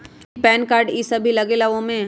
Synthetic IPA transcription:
pɛːnkaːɾɖisɐbʱilɐɡelɐʋõmẽ

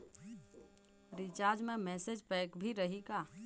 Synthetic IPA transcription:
ɾit͡ʃaɾd͡ʒmemɛsed͡ʒpɛkbʱiɾəɦika

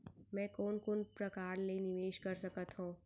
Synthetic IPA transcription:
mɛ̃ːkoːnkoːnpɾɐkaːɾleːnɪʋeːʃkɐɾsɐkət̪ɦũː

